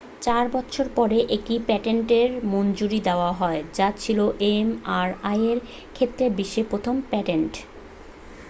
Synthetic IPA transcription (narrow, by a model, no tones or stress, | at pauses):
t͡ɕaɾbɔt̪ːɕʰoɾpɔɾeʔekʈipɛʈeɳʈeɾmond͡ʑuɾid̪eoaɦɔed͡ʑat͡ɕʰiloʔemaɾajeɾ | kʰet̪ːɾebiʃːepɾot̪ʰompɛʈeɳʈ